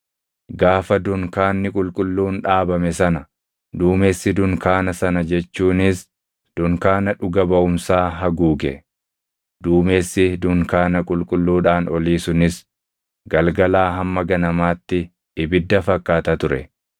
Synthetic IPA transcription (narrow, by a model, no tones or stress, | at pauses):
ɡaːfɐd̪ʊŋkaːnːɪkʼʊlkʼʊlːuːnᶑaːbɐmɛsɐnɐ | d̪uːme̞ːsːɪd̪ʊŋkaːnɐsɐnɐd͡ʒɛt͡ʃːuːnɪs | d̪̥ʊŋkaːnɐᶑʊɡɐbɐʔʊmsaːɦɐɡuːɡɛ | d̪uːme̞ːsːɪd̪ʊŋkaːnɐkʼʊlkʼʊlːuːᶑaːnɔliːsʊnɪs | ɡɐlɡɐlaːɦɐmːɐɡɐnɐmaːt̪ːɪ | ɪbɪd̪ːɐfɐkːaːt̪ɐt̪ʊɾɛ̰